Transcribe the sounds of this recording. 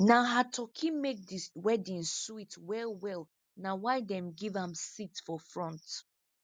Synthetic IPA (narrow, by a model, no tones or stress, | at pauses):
naɦatʰɔkʰimek̚diwɛdĩnsuitwɛlwɛl | nawaɪdɛ̃mɡivãmsitfɔfɹɔ̃nt